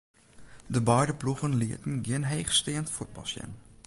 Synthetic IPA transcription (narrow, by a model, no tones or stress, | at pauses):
dəbɔjdəpluɣənlɪətn̩ɡjɪnɦejxstɪːəntfut̚bɑ̰lˠsjɛ̰n